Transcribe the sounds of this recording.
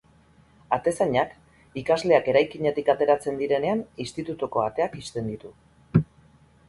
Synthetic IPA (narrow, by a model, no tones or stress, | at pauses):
at̪e̞saɲak | ikazle̞ake̞ɾajkiɲe̞t̪ikat̪e̞ɾat͡se̞nd̪iɾe̞ne̞anist̪it̪ut̪uko̞at̪e̞akist̪e̞nd̪it̪u